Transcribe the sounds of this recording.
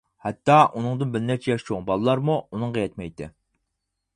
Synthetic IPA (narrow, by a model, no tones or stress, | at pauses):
hɛt̪ːɑʔunɨŋd̪ɨnbɪɾnɛɾt͡ʃʰɛjɑʃt͡ʃʰoŋbɑlˠlˠɑɾmuunɨŋʁɑjɛt̪mɛjt̪ɪ̰